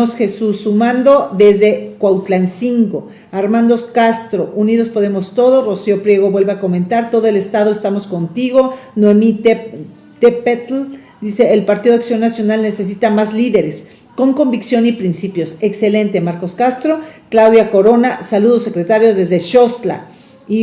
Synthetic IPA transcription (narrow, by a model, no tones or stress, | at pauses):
osxe̞susːumãnd̪o̞ðe̞zðe̞kwawt̪lansiŋɡo | aɾmãnd̪o̞skast̪ɾo̞ʔuniðo̞spo̞ðe̞mo̞st̪o̞ð̞o̞sro̞sio̞pɾje̞ɣ̞o̞βwe̞lβe̞ako̞ment̪aɾt̪o̞ðoe̞le̞st̪að̞o̞est̪amo̞sko̞nt̪iɣ̞o̞noemit | t̪epet̪l | d̪ise̞ːlpaɾt̪iðoaksjo̞nːasjo̞nalne̞se̞s̬it̪amazliðe̞ɾe̞s | ko̞ŋko̞mbiksjo̞nipɾinsipjo̞sekse̞le̞nt̪emaɾko̞skast̪ɾo̞klawðjako̞ɾo̞nasaluðose̞kɾe̞t̪aɾjozðe̞zðeʃo̞st̪la̰ | i